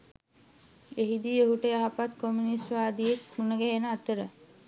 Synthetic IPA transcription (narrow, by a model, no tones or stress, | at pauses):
eɦid̪ioɦuʈəjaɦapat̪kominisʋaːd̪ijekunəɡæɦenəat̪əɾə